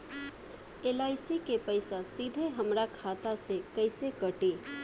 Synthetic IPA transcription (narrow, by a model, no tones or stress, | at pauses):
elaːɪsikepəɪsasid̪ʱeɦəmɾakʰat̪asekəɪsekəʈe